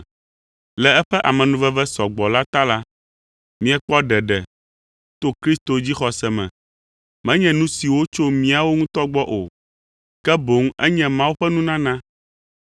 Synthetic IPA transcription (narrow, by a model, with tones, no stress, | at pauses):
lɛ˨ɛ˦ɸɛ˦ʔa̰˨mɛ̃˨nũ˨vɛ˦vɛ˦sɔ˨ɡ͡bɔ˨la˦t̪a˦la˦ | mĩ˦ɛ˨k͡pɔ˦ɖɛ˨ɖɛ˨ | t̪o˦kɾi˦st̪o˨d͡ʑi˦xɔ˨sɛ˨mɛ̰̃˨ | mɛ̃˦ɲɛ̃˨nũ˦si˨wo˦t͡ʃo˦mĩ˦a˨wo˦ŋũ˦t̪ɔ˦ɡ͡bɔ˦ʔo˨ | kɛ˦bo˨˦ŋɛ˦ɲɛ̃˦mã˦wo˦ɸɛ˦nũ˦nã˦nã˦